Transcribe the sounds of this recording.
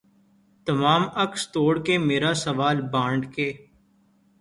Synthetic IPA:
t̪əmaːməkst̪oːɽkemeːɾasəʋaːlbãːɳɖkeː

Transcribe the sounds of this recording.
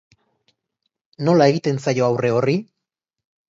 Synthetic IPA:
no̞lae̞ɣit̪e̞nsajo̞awre̞o̞ri

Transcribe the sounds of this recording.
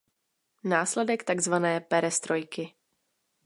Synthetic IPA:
naːslɛdɛkt̪aɡzvanɛːpɛɾɛst̪ɾojkɪ

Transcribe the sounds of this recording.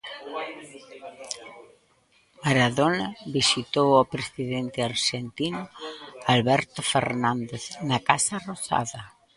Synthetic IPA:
maɾaðonaβisit̪owopɾesiðent̪ɪaɾʃɛnt̪inʊalβɛɾt̪ʊfeɾnãnd̪eθnakasarosa̰ðɐ

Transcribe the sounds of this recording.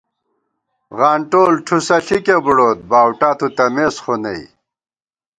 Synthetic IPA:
ɣaːɳʈoːlʈʰusɐɬikebuɽoːt̪̚baːwʈaːt̪ʰut̪ɐmeːsχonḛj

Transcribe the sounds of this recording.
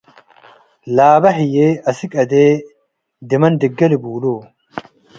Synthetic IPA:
laːbɐħɪjeːɐsɪkʼɐd̪eː | d̪ɪmɐnd̪ɪɡːɐlɪbuːloː

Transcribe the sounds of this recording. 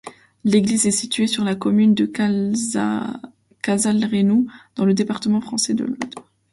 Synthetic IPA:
leɡlizɛsit̪ɥesyʁlakɔmynd̪ə | kazalʁenod̪̥ɑ̃ləd̪epaʁt̪əmɑ̃fχɑ̃sɛd̪ə̰lɔ̰d̪

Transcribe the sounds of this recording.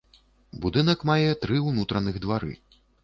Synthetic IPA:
bud̪ɨnɐkmajɛt̪ɾɨwnut̪ɾɐnɨɣd̪vaɾɨ̰

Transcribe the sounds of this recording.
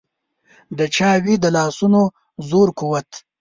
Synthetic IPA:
d̪ət͡ʃɑːwid̪əlɑːsuno | zoːɾkuwɐt̪

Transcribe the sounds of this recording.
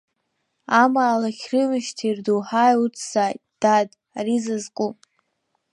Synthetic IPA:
amaːlakʲrɨmɨʃtʰirduħajut͡sʰz̥ajtd̥adʼ | arizɨzqʼup

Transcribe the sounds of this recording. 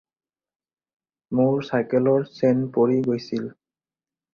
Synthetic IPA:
mʊɹsajkɛlɔɹsɛnpoɹiɡojsil

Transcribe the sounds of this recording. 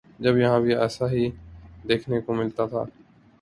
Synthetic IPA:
d͡ʒɐbjɐɦãbiɛːsaɦid̪eːkʰnekomɪlt̪at̪ʰa̰ː

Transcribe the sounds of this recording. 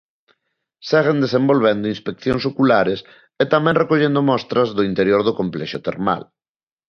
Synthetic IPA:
sɛɣ̞end̪esembolβɛnd̪ʊinspek̚θjõŋsokulaɾes | et̪amɛ̃ŋrekoʎend̪ʊmɔst̪ɾɐzðʊint̪eɾjoɾðʊkomplɛʃot̪eɾma̰l

